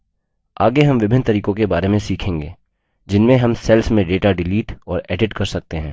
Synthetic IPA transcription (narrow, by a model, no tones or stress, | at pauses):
aːɡeɦɐmʋɪbʱɪnt̪ɐɾiːkõkebaːɾemẽsiːkʰẽːŋɡeː | d͡ʒɪnmẽɦɐmsɛlsmẽɖeːʈaɖɪliːʈɔːɾɛːɖɪʈkɐɾsɐk̚t̪eɦɛ̃ː